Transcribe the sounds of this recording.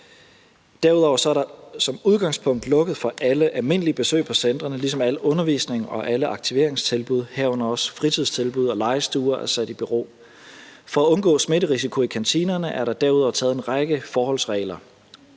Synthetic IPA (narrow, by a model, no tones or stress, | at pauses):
d̥æɐuð̞ˠɒʊ̰ɐsɒ̽æɐɾ̥ɑ̈sɒ̽muð̞ˠɡ̥ɑ̈ŋspʰɔ̽ŋ̰d̥lɔ̽ɡ̥əð̩ˠfɒ̽ʔæləʔælme̝n̰əlib̥e̝sø̰ɪpʰɒ̽send̥ʁɐnəlisɒ̽mæl̰ɔ̽nɐʋḭːsne̝ŋɒ̽ʔæləʔɑ̈ɡ̥t͡sʰiʋe̝ɐ̰eŋst͡sʰe̝lb̥uð̞ˠhæɐ̰ɔ̽nɐɒ̽sfʁit͡sʰið̞ˠst͡sʰe̝lb̥uð̞ˠɒ̽lɑ̈ɪsd̥uːɐʔæɐsæd̥ib̥yʁo̝̰ː | fɒ̽æɔ̽nɡ̥ɔ̰ːsme̝ɾəʁisikʰo̝ikʰænt͡sʰiːnɐnəʔæɐɾɑ̈d̥æɐuðˠɒʊt͡sʰɛːð̩ˠe̝nʁɑ̈ɡ̥əfɒːhɒ̽lsʁɛ̰ːlɐ